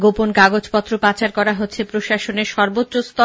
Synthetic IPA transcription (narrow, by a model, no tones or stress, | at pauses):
ɡoponkaɡod͡ʑpɔt̪ːɾopat͡ɕaɾkɔɾaɦotːɕʰepɾoʃaʃoneɾʃɔɾbotːost̪ɔ